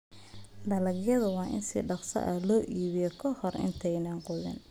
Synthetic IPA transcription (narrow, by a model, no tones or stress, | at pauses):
d̪ɐlɐɡjɐðʊwɑːʔɪ̰nsḭːɖɑqsɐ̰ʔɐlɔːʔiːβɪjɔkʰɔhɔrɪ̰nt̪ʰɛjnɐːnqʊðɪ̰n